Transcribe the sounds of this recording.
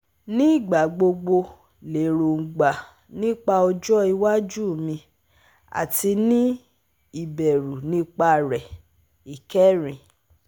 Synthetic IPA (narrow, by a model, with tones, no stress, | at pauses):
nĩ˦i˦˨ɡ͡ba˨ɡ͡bo˧ɡ͡bo˧ | le˨ɾo˨ŋ̩˨ɡ͡ba˨ | nĩ˦k͡pa˧ɔ˧d͡ʒɔ˦i˧wa˦d͡ʒu˦˨mĩ˧ | a̰˨ti˧˦nĩ˦ | i˦˨bɛ˨ɾu˨nĩ˦k͡pa˧˨ɾɛ˨ | i˨kɛ˦ɾĩ˨